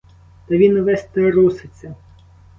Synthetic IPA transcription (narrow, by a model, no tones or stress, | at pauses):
t̪ɐʋʲinɔʋɛst̪eɾusɪt͡sʲːɐ